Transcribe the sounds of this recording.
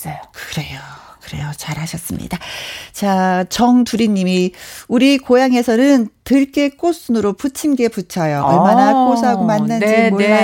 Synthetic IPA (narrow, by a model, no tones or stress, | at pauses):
kɯ̥ɾe̞jo | kɯɾe̞̰jot͡ɕaɾɦaɕʰʌs͈ɯmɲḭdat͡ɕat͡ɕʌŋtuɾiɲːimiuɾikojaŋe̞sʰʌnɯntɯɭk͈e̞k͈os͈ɯnɯɾoput͡ɕʰimɡe̞put͡ɕʰʌjoʌɭmanakosʰɦaɡomanːɯneɡo